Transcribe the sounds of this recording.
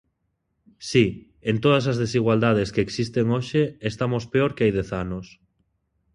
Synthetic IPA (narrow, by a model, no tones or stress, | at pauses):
si | ent̪oð̞ɐs̬azðesiɣwald̪að̞eskeːksist̪eŋoʃeest̪amospeoɾkeajðɛθanos